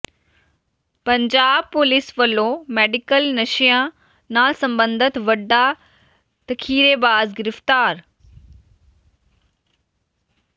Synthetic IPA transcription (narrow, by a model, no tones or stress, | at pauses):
pəɲd͡ʒaːb̚pʊlɪsʋəlːoːmɛːɖɪkəlnəʃijãː | naːlsə̃mbə̃nd̪ʱət̪ʋəɖa | t̪əkʰiːɾeːbaːzɡɪɾəft̪aːɾ